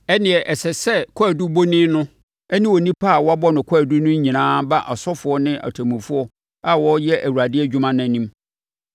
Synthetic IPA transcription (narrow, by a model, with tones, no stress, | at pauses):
ɛ˦nɪ̃˨ɛ˨ʔɛ˨sɛ˨sɛ˦kʰɔ˦æ˨du˦bo˦nĩ˦nʊ̃˦ | ɛ˦nɪ̃˦wɔ˨nĩ˦pʰa˦˨wɔ˦a˦bɔ˦nʊ̃˨kʰɔ˦˨du˦nʊ̃˦ɲ˦ɲĩ˨nãː˦ba˦ʔa˨sɔ˦fʊ˨˦ɔ˦nɪ̃˦ʔa̰˨tʰa˨mũ˨fʊ˦ɔ˦ | a˨wɔ˦jɛ˦ʔæ˨wu˨ɾa˨dɪ˦ɛ˦d͡ʑᶣu˦mã˦nã˨nĩ˦m